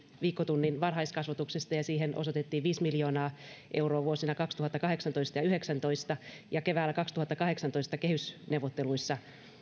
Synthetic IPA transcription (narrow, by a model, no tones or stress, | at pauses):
ʋiːkːot̪unːinʋɑrɦɑist̪kɑsʋɑt̪uksest̪ɑjɑsiːɦenʔo̰sot̪et̪ːiːʋʋiːsmiljoːnɑːʔe̞wroːʋuosinɑkɑkst̪uhɑt̪ːɑkɑɦeksɑnt̪oist̪ɑjɑyheksænt̪o̞ist̪ɑjɑke̞ʋæːlːækɑkst̪uhɑt̪ːɑkɑɦe̞ksɑnt̪oist̪ɑkehysneuʋot̪ːeluisːɑ